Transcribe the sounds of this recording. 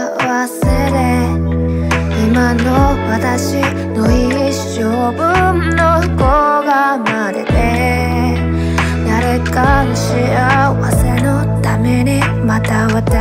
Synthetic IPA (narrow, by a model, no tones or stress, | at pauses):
βasɨɾe | imanowat̪aɕi | noiɕːobɯnnokoɡamad̪et̪e | naɾekanɕiawasɾeno | t̪ameɲi | mat̪aβat̪e